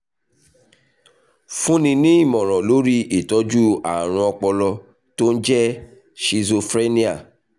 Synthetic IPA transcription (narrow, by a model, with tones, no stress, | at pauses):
fũ˦nĩ˧nĩ˦i˦˨mɔ̃˨ɾ̃ɔ̃˨lo˦ɾi˦i˨tɔ˨˦d͡ʒu˦a̰˨ɾ̃ũ˧ɔ˧k͡pɔ˧lɔ˧ | to˦n̩˦d͡ʒɛ˦ | ʃi˧zo˧fɾe˦nĩ˦a̰˨